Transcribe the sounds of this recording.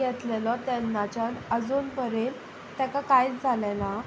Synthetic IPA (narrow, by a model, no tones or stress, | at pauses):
jɛt̪lelɔt̪ɛnːat͡ɕjanəd͡zuːnpəɾel | t̪ɛkakajt͡sd͡zʱalɛla